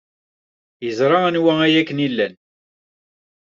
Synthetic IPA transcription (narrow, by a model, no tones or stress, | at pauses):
jəzɾˤɑænwææjækːənilːæn